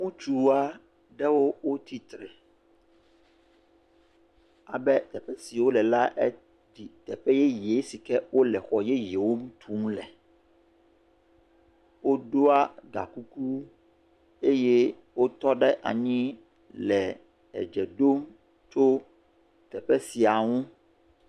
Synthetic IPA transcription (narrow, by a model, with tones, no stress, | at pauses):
ŋũ˦t͡ʃu˦a˦ | ɖɛ˦wo˦wo˦t̪ʰi˦t̪ɾe˨ | a˨bɛ˦t̪ɛ˨ɸɛ˦si˨wo˦lɛ˨la˦ʔɛ˦ | di˨t̪ɛ˨ɸɛ˦jɛ˦je˨˦si˨kɛ˦wo˦lɛ˨xɔ˨jɛ˦je˨wo˦mũ˦t̪ʰu˦ŋ̃˦lɛ˨ | wo˦ɖo˦a˦ɡa̰˨ku˦ku˦ | e˦je˦ | wo˦t̪ɔ˦ɖɛ˦ʔa̰˨ɲĩ˦ | lɛ˨ | ɛ̰˨d͡ʒɛ˨ɖo˦m | t͡ʃo˦ | t̪ɛ˨ɸɛ˦si˨a˨ŋũ˦